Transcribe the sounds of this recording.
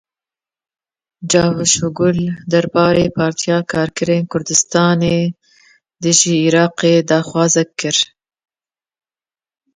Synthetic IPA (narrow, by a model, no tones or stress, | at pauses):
d͡ʒɑːɦuʃʊɡʊld̪aɾbɑːɾepʰɑːɾt̪ʰjɑːkʰɑːɾkəɾenkʊɾd̪ɪst̪ɑːne | d̪əʒiːɾɑːqed̪ɑːxwɑːzakːəɾ